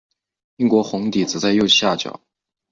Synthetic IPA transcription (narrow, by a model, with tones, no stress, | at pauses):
i˥˩ŋkwɔ˧˥xʊ˧˥ŋt̪i˨˩t͡sɹ̩˨˩t͡sa˥˧ɪjo˥˧ʊɕja˥˩t͡ɕjɑ̰˨˩˦ʊ